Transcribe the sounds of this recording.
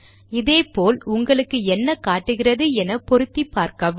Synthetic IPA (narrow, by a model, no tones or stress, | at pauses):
ɪðeːpoːlʊŋɡɐɭɯkːɯɛnːɐkaːʈːɯɣɪrɐðɯɛnɐpɔɾɯt̪ːipːaːɾkɐʋ